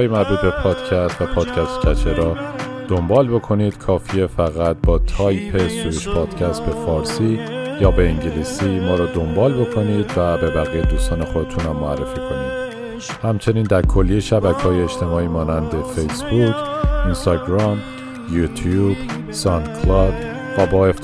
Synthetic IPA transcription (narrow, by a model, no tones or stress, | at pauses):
jemæɾbuːt̪̚be̞pʰɒːd̪̥cʰæst̪væpʰɒːd̪̥cʰæst̪cʰæt͡ʃʰeɾɒː | d̪̥o̞mbɒːlbo̞kʰo̞niːd̪̥kʰɒːfiefæɣæt̪̚bɒːt̪ʰɒːjpʰesuɾuʃpʰɒːd̪̥cʰæst̪̚be̞fɒːɾsiːjɒːbe̞iŋɟeliːsiːmɒːɾɒːd̪o̞mbɒːlbo̞kʰo̞niːd̪væbe̞bæɣiːjed̪uːst̪ɒːne̞xo̞d̪e̞t̪ʰunhæmːoærːe̞fiːkʰo̞nḭːd̪̥ | hæmt͡ʃʰe̞niːnd̪æɾkʰo̞lːijeʃæbækʰɒːjeːt͡ʃt̪ʰe̞mɒːiːmɒːnænd̪e̞fejsbukʰinst̪ɒɟɾɒm | jut̪ʰjub | sɒnkʰlɒd̪ | væbɒːef